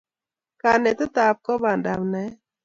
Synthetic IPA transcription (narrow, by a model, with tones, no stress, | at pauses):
ka˨nɛ˨t̪ɔ˦t̪a˨p̚kɔ˦ba˨nda̰˨mnɛ˨˦